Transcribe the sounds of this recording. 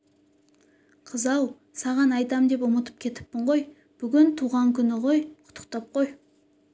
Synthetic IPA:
qʰəzɑw | sɑʁɑnɑjt̪ɑmd̪e̞pʊmət̪ə̥p̚kʲʰe̞t̪ɪ̥pːɪɴʁo̞j | b̥ʏɡʲɪnt̪ʰuʁɑŋkʲʰʏnɪʁo̞jqʰʊ̥t̪ʰə̥qt̪ɑp̚qʰo̞j

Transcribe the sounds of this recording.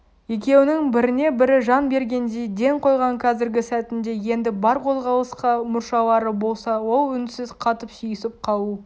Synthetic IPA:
je̞kʲe̞wɪnɪŋbɪɾɪne̞bɪɾɪʒɑnbe̞ɾɡʲe̞nd̪ejd̪e̞ŋqʰo̞jʁɑŋkʰɑzɪɾɡʲɪsæt̪ɪnd̪e̞je̞nd̪ɪbɑɾqʰo̞lˠʁɑlˠəsqɑmʊɾʃɑwˠɑɾəbo̞lˠsɑwo̞lˠʏnsɪzqʰɑt̪əpsijɪsɪp̚qʰɑwˠu

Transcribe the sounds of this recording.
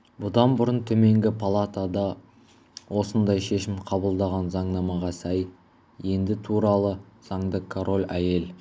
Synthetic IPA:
bʊd̪ɑnbʊɾənt̪ʰɵme̞ŋɡʲɪpʰolˠat̪ad̪ɑ | wo̞sənd̪ɑjʃe̞ʃɪmqʰɑbəlˠd̪ɑʁɑnzɑɴnɑmɑʁɑsæj | je̞nd̪ɪt̪ʰuɾɑlˠəz̥ɑɴd̪əkʰoɾo̞lʲæje̞l

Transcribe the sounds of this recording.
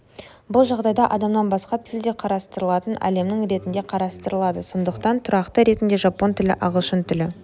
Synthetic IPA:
bʊlˠʒɑʁd̪ɑjd̪ɑʔɑd̪ɑmnɑnbɑsqɑt̪ʰɪld̪eqʰɑɾɑst̪əɾəlˠɑt̪ənʔæ̰le̞mnɪŋɾe̞t̪ɪnd̪e̞qʰɑɾɑst̪əɾəlˠɑd̪əso̞nd̪əqt̪ɑnt̪ʰʊɾɑqt̪əɾe̞t̪ɪnd̪e̞ʒɑpːo̞nt̪ʰɪlɪ̰ʔɑʁəʃənt̪ʰʏlɪ

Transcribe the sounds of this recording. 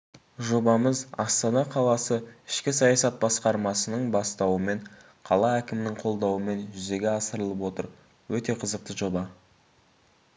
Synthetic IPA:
ʒo̞bɑməzɑst̪ɑnɑqʰɑlˠɑsəɪʃkʲɪsɑjɑsɑt̪̚bɑsqɑɾmɑsənəɴbɑst̪ɑwəme̞ɴ | qʰɑlˠɑækʲɪmɪnɪŋqʰo̞lˠd̪ɑwəme̞nʒʏze̞ɡʲe̞ɑsəɾəlˠəpwo̞t̪əɾ | wɵt̪e̞qʰəzəq̚t̪əʒo̞bɑ

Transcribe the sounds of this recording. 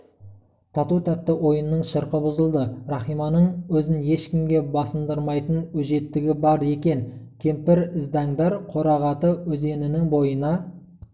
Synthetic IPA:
t̪ʰɑt̪ut̪ʰæt̪ːɪwo̞jənːəɴʃəɾqəbʊzəlˠd̪əɾɑχijmɑnəɴwɵzɪnje̞ʃkʲɪmɡʲe̞bɑsənd̪əɾmɑjt̪ənɵʒe̞t̪ːɪɡʲɪbɑɾe̞kʲe̞nkʲʰe̞mpɪɾɪzd̪ɑɴd̪ɑɾqʰo̞ɾɑʁɑt̪əwɵze̞nɪnɪŋbo̞jənɑ

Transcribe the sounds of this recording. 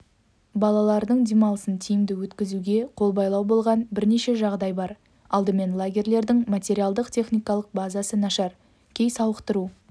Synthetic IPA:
bɑlˠɑlˠɑɾd̪əɴd̪emɑlˠəsənt̪ʲʰijɪmd̪ɪwɵt̪kʲɪzuɡʲe̞qʰo̞lˠbɑjlˠɑwbo̞lˠʁɑnbɪɾne̞ʃe̞ʒɑʁd̪ɑjbɑɾ | ɑlˠd̪əme̞nlˠaɡʲe̞rle̞ɾd̪ɪŋmat̪ʲe̞ɾʲijalˠd̪əqt̪ʲʰe̞χnʲijkɑlˠəq̚bazasənɑʃɑɾ | kʲʰe̞jsɑwəqt̪əɾu

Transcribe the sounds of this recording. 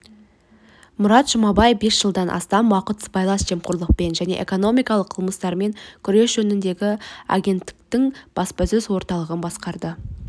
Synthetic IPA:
mʊɾɑt̪ʒ̥ʊmɑbɑjevbe̞sʒ̥əlˠd̪ɑnʔɑ̰st̪ɑmwɑqət̪sbɑjlˠɑsʒ̥e̞mqʊɾlˠəq̚pe̞nʒæne̞̰ʔḛko̞no̞mijkɑlˠəqʰːəlˠməst̪ɑɾme̞ŋkʲʰʏɾe̞sʒɵnɪnd̪e̞ɡʲɪa̰ɡʲe̞nt̪ːɪ̥kt̪ɪŋb̥ɑspɑsɵzwo̞ɾt̪ɑlˠəʁənbɑsqɑɾd̪ə

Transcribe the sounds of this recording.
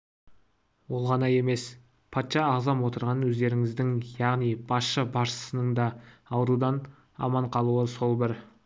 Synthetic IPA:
wo̞lˠʁɑnɑje̞me̞s | pʰɑt̪ʃɑːʁzɑmwo̞t̪əɾʁɑnwɵzd̪e̞ɾɪŋɪzd̪ɪŋjɑʁnijb̥ɑsʃəbɑɾʃə̥sənəɴd̪ɑɑwəɾud̪ɑn | ɑ̰mɑɴqʰɑlˠuəso̞lˠbɪɾ

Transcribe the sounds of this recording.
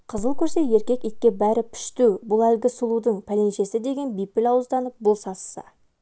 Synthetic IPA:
qʰəzəlˠkʲʰɵɾse̞je̞ɾkʲe̞kijk̪̚ʲkʲːe̞bæɾɪpʰʏ̥ʃt̪uwbʊlˠælɡʲɪsulˠud̪əɴpʰælenʃe̞sɪd̪e̞ɡʲe̞nbijpːɪlɑwəzd̪ɑnəp̚bʊlˠsɑssə̰

